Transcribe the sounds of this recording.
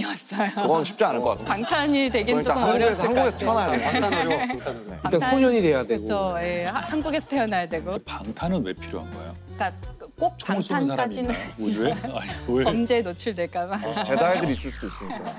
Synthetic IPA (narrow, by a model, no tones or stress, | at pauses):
ias͈ʌjokɯɡʌnɕʰi̥p̚t͡ɕ͈ianɯɭɡʌkatʰpaŋtʰaɲidweɡiet͡ɕoakɯmaŋɡɾɡesʰaŋɡuɡesʰʌtʰeʌnajad | ekik͈asʰoɲʌɲide̞jadweɡt͡ɕʰoje̞hanɡuɡe̞sʰʌtʰejʌnajadwe̞ɡopaŋtʰanɯnwepʰiɾjo̰ɦanɡʌ̰ḛoo | k͈a | k͈ok̚t͡ɕamsʰoanʰaad͡ʑinɯod͡ʑueaeʌnd͡ʑenot͡ɕʰiɭdwe̞ɭk͈amat͡ɕe̞daedɯɾis͈ɯɭs͈ud̪ois͈ɯɲika